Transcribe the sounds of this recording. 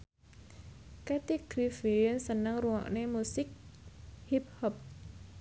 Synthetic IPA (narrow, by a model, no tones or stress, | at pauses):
kat̪iɡ̥ɾifiiənsənəŋruŋɔ̰ʔnemusɪk̚hip̚hɔp̚